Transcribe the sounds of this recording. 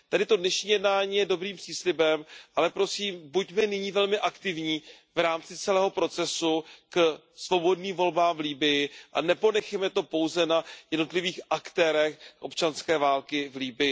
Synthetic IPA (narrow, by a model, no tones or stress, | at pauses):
t̪adɪt̪o̞dnɛʃɲiːjɛdnaːɲiːjɛdo̞bɾiːmpr̥iːslɪbɛmʔalɛpɾo̞siːmbucmɛnɪɲiːvɛlmɪʔakt̪ɪvɲiː | vɾaːmt͡sɪt͡sɛlɛːɦo̞pɾo̞t͡sɛsuk | svo̞bo̞dniːmvo̞lbaːmvliːbɪjɪʔanɛpo̞nɛxɛmɛt̪o̞po̞wzɛnajɛdno̞t̪lɪviːxʔakt̪ɛːɾɛxʔo̞̰pt͡ʃanskɛːvaːlkɪvliːbɪjɪ